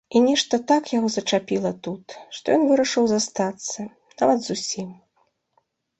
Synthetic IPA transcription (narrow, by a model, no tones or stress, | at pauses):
inʲɛʂt̪ɐt̪akjaɣɔzɐt͡ʂapʲilˠɐt̪ut̪ʂt̪ɔjɔnvɨɾɐʂɨwzast̪at̪sːɐ | navɐd̪zusʲim